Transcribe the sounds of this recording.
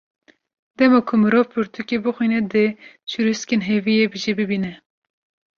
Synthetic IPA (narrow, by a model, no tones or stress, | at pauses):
d̪ɛmɑkʰʊmɨɾovpʰɨɾt̪ʰukʲebɨxʷwinɛd̪ɨ | t͡ʃʰuɾuskenɦevijebɨʒebɨbinɛ